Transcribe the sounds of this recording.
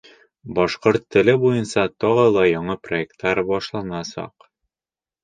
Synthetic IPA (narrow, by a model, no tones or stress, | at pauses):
bɒʃqoɾt̪ʰːɘ̆lɘbujɤnsɑt̪ɒʁɤlˠɑjɒɴɤproek̚t̪ːɑɾbɒʃlˠɑnɑsɑ̰q